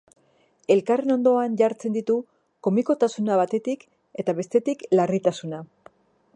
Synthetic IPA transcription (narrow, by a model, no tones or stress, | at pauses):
e̞lkare̞no̞nd̪o̞aɲʝaɾt͡se̞nd̪it̪u | ko̞miko̞t̪asunaβat̪e̞t̪ik | e̞t̪aβe̞st̪e̞t̪iklarit̪asuna